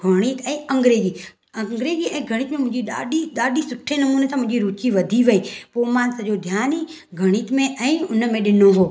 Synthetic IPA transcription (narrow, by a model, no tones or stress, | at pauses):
ɡʱɐɽ̃iːt̪ɛ̃ːɐ̃ŋɡɾeːd͡ʑiː | ɐ̃ŋɡɾeːd͡ʑiɛ̃ːɡʱɐɽ̃iːt̪mẽmʊ̃ɦɪ̃d͡ʑiɗaːɗiɗaːɗisʊʈʰenɐmuːnet̪ʰãmʊ̃ɦɪ̃ɲd͡ʑiɾuːt͡ʃiʋɐd̪ʱiʋɐipoːmãːnsɐʄod̪ʱjaːni | ɡʱɐɽ̃iːt̪mẽʔɛ̃ːʊnəmẽɗɪnõʋoː